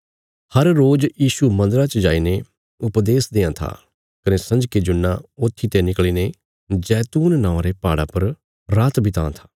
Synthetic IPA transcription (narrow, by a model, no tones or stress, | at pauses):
hɐɾːoːd͡ʒjiːʃumɐ̃nd̪əɾat͡ʃd͡ʒaːine | ʊpd̪eːsd̪ẽːãːt̪ʰa̰ː | kənesɐ̃ɲd͡ʒked͡ʒʊnːaoːt̪ʰːit̪enɪkɭiːne | d͡ʒɛːt̪uːnːãːãɾepaːɽapɐɾ | ɾaːt̪bɪt̪ã̰ːt̪ʰḁː